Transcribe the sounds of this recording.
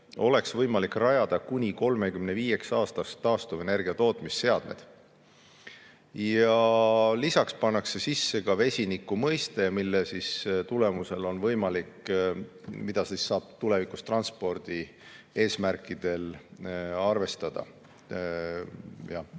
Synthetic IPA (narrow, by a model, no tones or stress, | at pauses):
o̞le̞ksvɤjmɑlikˑrɑjɑd̪̥ɑkunʲiko̞lme̞kymne̞viːje̞ksɑːst̪ɑst̪ːɑːst̪uve̞ne̞rɡ̥iɑt̪o̞ːt̪ˑmisːe̞ɑd̪̥me̞̰d̪̥ | jɑlisɑkspɑnːɑkse̞sisːe̞kɑve̞sʲinikːˑumɤjst̪e̞milːesist̪ule̞muse̞lo̞nvɤjmɑlik | mid̪̥ɑsisːɑːb̥̚t̪ule̞vikust̪rɑnspo̞rd̪̥i | e̞ːsmærkːˑid̪̥e̞l | ɑrve̞st̪ɑd̪̥ɑ̰ | jɑ